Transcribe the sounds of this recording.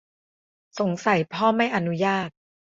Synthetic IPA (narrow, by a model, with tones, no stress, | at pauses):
so˩˦ŋsa˨˦jpʰɔː˥˩ma˥˩jʔa˧nu˦˥jaː˥˩t̪̚